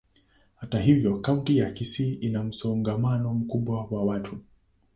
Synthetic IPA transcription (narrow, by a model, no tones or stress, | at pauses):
hataɦivjɔkaũntijakisiːʔinam̩sɔŋɡamanɔm̩kuɓwawawatʰu